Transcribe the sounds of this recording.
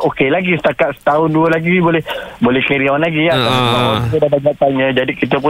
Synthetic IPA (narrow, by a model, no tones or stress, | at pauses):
okelaɡisə̥t̪akat̪sə̥t̪aʊnduəlaɡibolɛhbolɛhkəɾiawanlaɡiat̪aabawakit̪ədadaɡat̪anɲə̃d͡ʒadikit̪əp̬ʊ